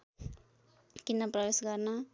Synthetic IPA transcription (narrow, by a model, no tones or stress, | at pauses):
kinːʌprʌbesɡʌrnʌ